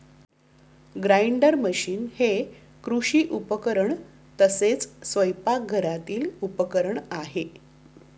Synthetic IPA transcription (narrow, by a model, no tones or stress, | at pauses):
ɡɾaiɳɖəɾməɕiːnhe | kɾuɕiːʔupəkəɾəɳ | t̪əset͡ssʋəjpak̚ɡʱəɾat̪iːlupəkəɾəɳaɦe